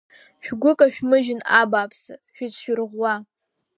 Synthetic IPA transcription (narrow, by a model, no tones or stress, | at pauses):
ʃᶣɡʷʊkʼaʃᶣmɨʒɪnabaːpʰsɨʃᶣɪt͡ʃʰʃᶣʏrʁʷwa